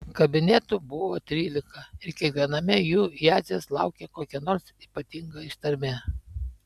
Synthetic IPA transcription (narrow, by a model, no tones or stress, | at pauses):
kɐbʲɪnʲɛt̪ʊbʊʋoːt̪ʲɾʲiːlʲɪkɐɪɾkʲiɛkʋʲiɛnɐmʲɪjuːjæːzʲeslˠɑʊkʲeːkoːkʲɛnoːɾsiːpɐt̪ʲɪŋɡɐɪʃt̪ɐɾʲmʲe